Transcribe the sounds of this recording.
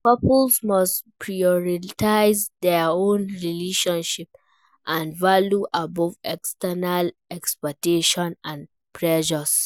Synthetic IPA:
pɔpəlsmɔstpʰɹiɔɹitaɪzdɛõnɹileʃɔ̃nʃip̚ | ʔãnvaljuʔabɔvɛkstɛnal | ɛkspɛteʃɔ̃nãn | pʰɹɛʒɔs

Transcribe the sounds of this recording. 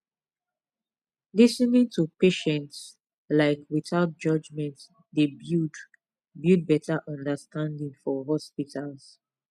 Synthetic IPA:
lisnĩŋtʰupeʃɛ̃nts | laɪkwiθaʊt̚d͡ʒʌd͡ʒmɛ̃nt | debjud | bjud̚bɛtaʔɔ̃ndəstʰãndĩŋfɔɦɔspitʰals

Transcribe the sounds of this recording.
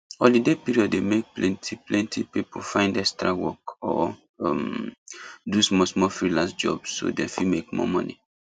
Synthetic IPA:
ɔldidepiɹiɔdːemek̚plɛ̃ntʰiplɛ̃ntʰipipolfãɪ̃ndɛkstɹawɔkɔ̰ | ɔm | dusmɔsmɔlfɹilãnsd͡ʒɔ̰bsːo̰dɛ̃fimekmɔ̰mɔnḭ

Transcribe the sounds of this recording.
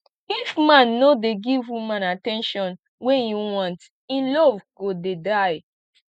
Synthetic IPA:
ifmãnːodeɡivwimãnatɛ̃nʃɔ̃n | wɛ̃njuwɔ̃nt | ĩnlɔvɡodedaj

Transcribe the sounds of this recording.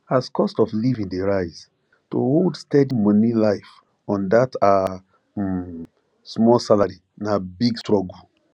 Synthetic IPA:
askɔstɔflivĩndeɹaɪz̥ | toholdstɛdimʌnilaɪf | ɔ̃ndata | smɔlsalaɹi | nabiɡstɹɔɡl

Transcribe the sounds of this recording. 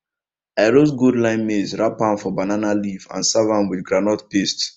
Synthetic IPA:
aɾosɡudlãɪ̃nmesɾapãnfɔbananalivã̰nsavãnwidɡɾanɔtpest

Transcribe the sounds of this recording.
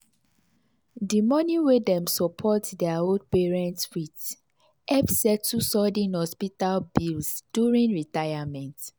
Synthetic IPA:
dimɔniwedɛ̃msɔpʰɔtdɛaold̚peɹɛ̃ntsfits | ʔɛfsɛtusɔdĩnhɔspitalbilsd̥juɹĩnɹitajamɛ̃nt

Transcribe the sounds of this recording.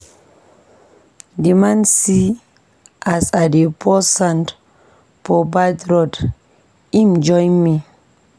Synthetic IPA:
dimansi | ʔasadepʰɔsant | pɔbadɾɔd | imd͡ʒɔjmːi

